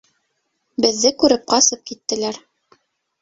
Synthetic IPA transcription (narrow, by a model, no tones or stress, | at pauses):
bɘ̆ðːɘkʉɾɘp̚qɑsɤp̚kit̪ːɘ̆læɾ